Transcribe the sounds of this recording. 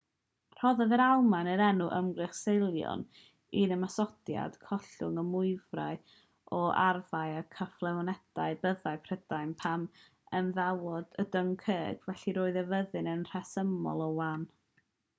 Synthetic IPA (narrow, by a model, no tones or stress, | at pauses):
r̥ɔðɛðəɾalˠmanəɾɛnuʔəmɡrɨχsejlˠjɔ̰n | iðəmasɔd̥ja̰d̥kʰɔɬʊŋəmʊɨvraɨ | ɔʔarvajakʰəflˠɛvɔnɛd̥aɨbəðaɨpʰrəd̥ajnpʰam | ənðawɔdədəŋkʰəːɡ̥vɛɬiɾoːɨðəvəðɨnənr̥ɛsəmɔ̰lˠɔwan